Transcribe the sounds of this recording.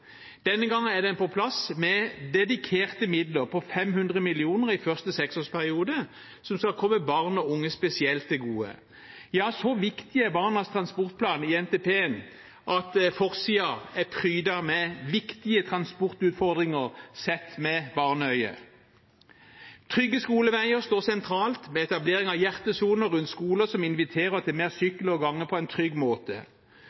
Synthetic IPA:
d̪̥ɛnːəɡɑŋːənæd̪ɛnpɔpʰlɑsmɛd̪ɛd̪ɪkʰeːʁt̪əmɪd̪ləʁpʰɔfɛmhʉnd̪ʁəmɪlɪuːnəʁɪfœʁst̪əsɛksoːʁspʰæʁɪuːd̪ə | sɔmskɑlkʰɔmːəbɑʁnɔʊŋːəspɛsɪɛlt̪̚d̪ɛɡuːə̰ | jɑːsɔʋɪkt̪ɪəbɑːʁnəst̪ʰʁɑnspɔʁt̪̚pʰlɑːniɛnt̪eːpeːən | ʔɑt̪fɔʁsiːɑæpʰʁyːd̪ɑmɛʋɪkt̪ɪət̪ʰʁɑnspɔʁt̪ʉːt̪fɔʁd̪ʁɪŋəʁsɛt̪ːmɛbɑʁnəœʏə̰ | t̪ʰʁʏɡːəskuːləʋæɪəʁst̪oːsɛnt̪ʰɾɑːlt̪mɛɛt̪ɑbleːʁɪŋɑʋjæʁt̪əsuːnəɾʉnt̪skuːləsɔmɪnʋɪt̪ʰeːʁəɔt̪ʰɛlmeːʁsʏklɔɡɑŋːəpʰɔɛnt̪ʰʁʏɡːmoːt̪ə̰

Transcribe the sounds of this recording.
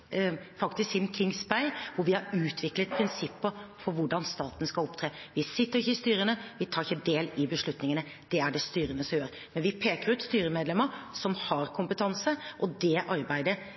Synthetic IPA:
fɑkt̪ɪsksɪnmkʰɪŋsbæɪʋʊɾʋɪhɑɾʉːt̪ʰʋɪklət̪̚pʰɾɪnsɪpːəfɔʋʊɖɑnst̪ɑːt̪nskɑlɔpt̪ʰɾeːʋɪsɪt̪ːəɾɪçːəɪst̪yːɾənəʋɪt̪ʰɑːɾɪçːəd̪eːlɪbəʂlʉt̪nɪŋənə | d̪̥ɛæɖɛst̪yːɾənəsɔmjøːɾ | mɛnʋɪpʰeːkəɾʉːt̪st̪yːɾəmeːd̪lɛmːəɾsɔmhɑɾkʰʊmpət̪ʰɑnsəʔɔd̪ɛʔɑɾbæɪd̪ə

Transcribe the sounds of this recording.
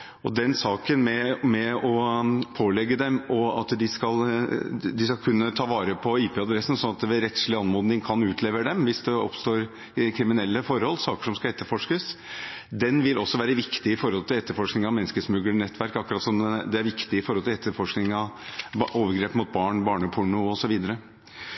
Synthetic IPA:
ɔd̪ɛnsɑːkənmɛmɛɔpʰoːlɛɡːəd̪ɛmɔɑ̰t̪d̪ɪskɑl | d̪ɪskɑlkʰʉnːət̪ʰɑːʋɑːɾəpʰɔiːpʰeːɑd̪ɾɛsn̩sɔnɑt̪d̪ʋɛɾɛt̪ʂɭɪɑnmoːd̪nɪŋkʰɑnʉːt̪ʰleːʋəɖɛmʋɪsd̪ɛɔ̰pst̪oːɾ | kʰɾɪmɪnɛlːəfɔɾhɔlːsɑːkə̥ʂɔmskɑlɛt̪ːəɾfɔʂkəsd̪ɛnʋɪlʔɔsːɔʋæːɾəʋɪkt̪ɪɪfɔɾhɔlt̪ʰɪlɛt̪ːəɾfɔʂknɪŋɑʋmɛnːskəsmʉɡlnɛt̪ːʋæɾkɑkːɾɑːt̪sɔmd̪ɛæɾʋɪkt̪ɪɪfɔɾhɔlt̪ɪɛt̪ːəɾfɔʂknɪŋɑʋʔoːʋəɾɡɾeːpːmʊːt̪̚bɑːɳbɑːɳəpʰʊɳʊɔsɔʋiːd̪əɾə

